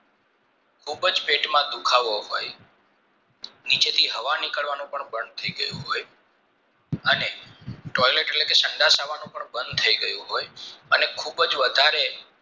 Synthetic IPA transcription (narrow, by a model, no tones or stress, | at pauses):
kʰubd͡ʒpeʈmãd̪ukʰaʋoɦoj | nit͡ʃet̪ʰiɦəʋanikəɭʋanũpəɳbənd̪̚t̪ʰəiɡəjṵ̃ɦoj | əneʈɔjleʈeʈlekesə̃ɳɖ̪asaʋanũpəɳbə̃nd̪̚t̪ʰəiɡəjũɦojənekʰubd͡ʒʋəd̪ʱaɾe